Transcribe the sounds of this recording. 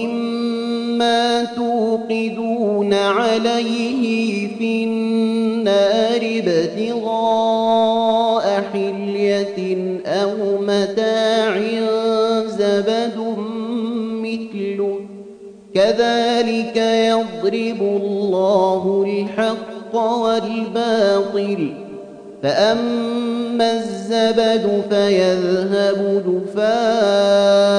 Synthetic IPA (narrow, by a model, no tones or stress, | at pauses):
ʔɪmː | aːt̪uːqɪd̪uːnaʕalajhɪfiːnnːaːɾɪbat̪ɪɣɑː | ʔaħɪl | ja | ʔawmat̪aːʕɪnzabad̪ʊ | mɪθlʊ | kaðaːlɪkajɑd̪ˤɾɪbʊllːɑːɦʊlħɑqːɑwalbɑːt̪ˤɨl | faʔamː | azːabad̪ʊfajaðɦabʊd̪ʊfaː